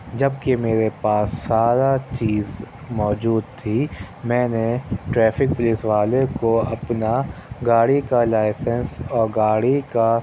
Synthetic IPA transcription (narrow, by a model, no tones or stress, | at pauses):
d͡ʒɐbkemeːɾepaːsːaːɾat͡ʃiːz | mɔːd͡ʒuːd̪̚t̪ʰi | mɛ̃ːneʈɾɛːfʰɪk̚pʊlɪsʋaːlekoɐpnaɡaːɽikalaːɪsɛnsɔːɾɡaːɽika